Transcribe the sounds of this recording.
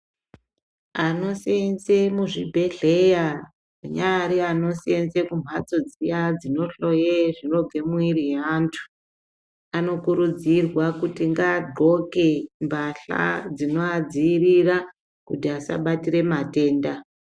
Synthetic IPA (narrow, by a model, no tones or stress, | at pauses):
ano̞sienze̞muʐibʱe̞ɮe̞ja | uɲaɾiano̞siense̞kum̤at͡so̞d͡zijad͡zino̞ɬo̞jeʐiro̞b͡ve̞mwiriantʰu̥ | ano̞kuɾud͡zirwakutiŋɡaːdʱo̞ke̞mbaɬa̰d͡zino̞ad͡ziːrira | kutiasa̰ɓatire̞mate̞ːnda